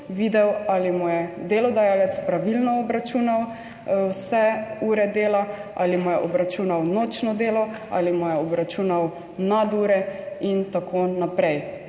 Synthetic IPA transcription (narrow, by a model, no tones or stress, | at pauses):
ʋiːd̪ɛwalimɔjɛd̪elɔd̪ajalɛt̪spɾaʋilnɔɔbɾat͡ʃuːnaw | wsɛuːɾɛd̪eːlaʔa̰limɔjɛʔɔbɾat͡ʃuːnawnoːt͡ʃnɔd̪eːlɔ | a̰limɔjɛɔbɾat͡ʃuːnaw | nad̪uːɾɛint̪akʰonapɾɛj